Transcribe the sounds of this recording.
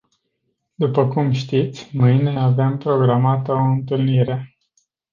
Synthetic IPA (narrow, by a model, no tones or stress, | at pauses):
d̪upəkumʃt̪it̪sʲmɨjne̞avempɾo̞ɡɾamat̪əoɨnt̪ɨlniɾe̞